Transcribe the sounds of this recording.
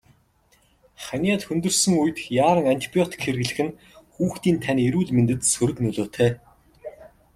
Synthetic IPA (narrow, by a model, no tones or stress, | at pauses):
χanʲaːt̪xɵnt̪ɵ̆rsɵ̆ŋujɘ̆t̪xjaːɾə̆ŋan̥ʲt̪ʲʰi̥pʲiɔt̪i̥kxerɣɘ̆ɮɘ̆xɘ̆n | xuːxt̪iːnt̪ʰaneɾuːɮment̪ɘ̆t̪sɵɾɵ̆knɵɮoːt̪ʰæː